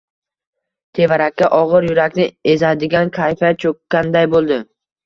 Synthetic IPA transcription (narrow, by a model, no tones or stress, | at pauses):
t̪ʰe̞vaɾakʲːaʔɒʁɨɾjʊɾakʲnɪe̞zad̪ɪɡʲankʲʰajfat͡ʃʰokʲːand̪ajbolˠd̪ɪ